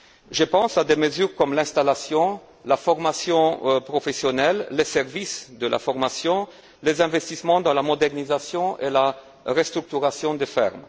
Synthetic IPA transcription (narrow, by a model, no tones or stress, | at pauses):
ʒəpɑ̃sad̪eməzyʁkɔmlɛ̃st̪alasjɔ̃ | lafɔʁmasjɔ̃pχɔfesjɔnɛlːesɛʁvisd̪əlʔa̰fɔʁmasjɔ̃ | lezɛ̃vɛst̪ismɑ̃d̪ɑ̃lamɔd̪ɛʁnizasjɔ̃ʔela | ʁəst̪ʁyk̚t̪yʁasjɔ̃d̪efɛ̰ʁm